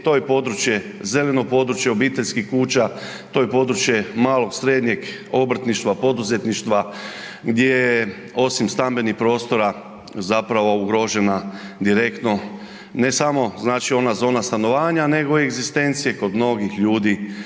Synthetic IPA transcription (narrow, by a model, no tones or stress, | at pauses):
t̪ojepo̞d̪ɾut͡ʃje̞ze̞le̞no̞po̞d̪ɾut͡ʃjeo̞biːt̪eʎʲskixkuːt͡ʃa | t̪o̞ːjepo̞d̪ɾut͡ʃje̞maːlˠo̞ɡsɾe̞ːd̪ɲeɡ | o̞bɾ̩t̪niʃt̪ʋapo̞d̪uze̞t̪niʃt̪ʋa | ɡd̪ʲjeje | o̞simst̪ambe̞nixpɾo̞ːst̪o̞ɾa | zapɾaʋo̞uɡɾoʒe̞nad̪iɾekt̪no̞ | ne̞samo̞znaːt͡ʃio̞nazo̞ːnast̪ano̞ʋaːɲane̞ɡo̞ieɡzist̪e̞nt̪sije̞ko̞d̪mno̞ɡixʎuːd̪i